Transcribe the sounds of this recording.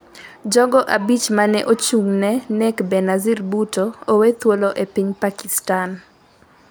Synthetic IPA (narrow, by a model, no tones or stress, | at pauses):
d͡ʒɔɡɔʔabit͡ʃmanɛʔot͡ʃuŋnɛnɛkbɛnazirbutoowet̪woloʔepiɲpakistan